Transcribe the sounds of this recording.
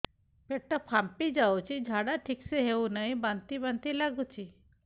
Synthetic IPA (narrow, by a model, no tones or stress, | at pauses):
peʈəpʰampid͡ʒawt͡ʃʰid͡ʒʱaɽaʈʰikseɦewnaɦĩbant̪ibant̪ilaɡut͡ʃʰi